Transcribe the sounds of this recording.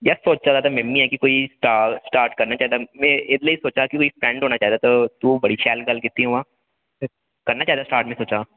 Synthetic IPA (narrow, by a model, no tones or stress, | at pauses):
jasoːt͡ʃt͡ʃad̪at̪ʰamɛmːĩɦɛkikoːisʈaːsʈaːɾʈkɐɾnat͡ʃaːɦɛd̪amɛ̃ɪd̪leisoːt͡ʃakikoːifɾɛ̃ɳɖɦoːnat͡ʃaːɦɛd̪at̪ot̪ubɐɽiʃɛːlɡɐlkɪt̪ːiɦoãː | kɐɾnat͡ʃaːɦɛd̪asʈaːɾʈmẽsoːt͡ʃaː